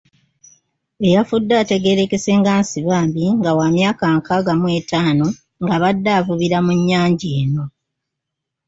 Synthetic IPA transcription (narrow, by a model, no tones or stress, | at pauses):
e̞jafudːaːte̞ɡe̞ɾe̞ke̞se̞ŋɡaːnsiβaːmbiŋɡawamjaːkaŋkʰaɡamwe̞ːtaːno̞ | ŋɡaβadːaːvuβiɾamuɲːaːɲɟeːno̞